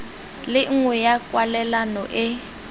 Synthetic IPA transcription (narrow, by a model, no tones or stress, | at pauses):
lɪŋ̩ŋwɛjakʼwalɛlanɔʔɪ